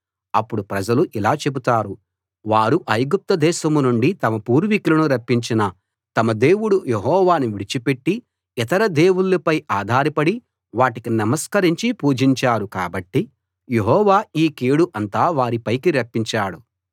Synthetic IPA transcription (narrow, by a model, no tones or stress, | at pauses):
ɐpːuɽupɾɐd͡ʒɐluʔilaːt͡ʃe̞but̪aːɾu | ʋaːɾuʔɐjɡup̚t̪ɐd̪ɛːʃɐmunuɳɖit̪ɐmɐpuːɾʋikulɐnuɾɐpːiɲt͡ʃinɐ | t̪ɐmɐd̪e̞ːwuɽujeɦɔːʋaːnuʋiɽit͡ʃipe̞ʈːi | it̪ɐɾɐd̪eːwuɭːɐpɐjʔaːd̪ʱaːɾɐpɐɽi | ʋaːʈikinɐmɐskɐɾiɲt͡ʃipuːd͡ʒiɲt͡ʃaːɾuka̰ːbɐʈːi | jeɦɔːʋaːiːkeːɽuʔɐnt̪aːʋaːɾipɐjkiɾɐpːiɲt͡ʃaːɽu